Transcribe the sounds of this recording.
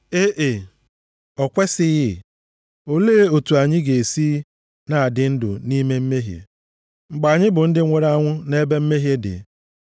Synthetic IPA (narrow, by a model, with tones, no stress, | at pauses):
e˦ʔe˨ | ɔ˨kʷe˦sɪ˦ɣɪ˦ | o˦leː˦o˨tu˨a˨ɲɪ˦ɡe˨e˨siː˦ | na˨a˨dɪ˨n̩˦dʊ̰˨ni˦me˦m̩˦me˦ɦjḛ˨ | ŋ͡m̩˨ɡ͡ba˨a˨ɲɪ˦bʊ˨n̩˦dɪ˦ŋʷe˨ɾa˦ŋʷʊ˦ne˦be˦m̩˦me˦ɦje˦dɪ̰˨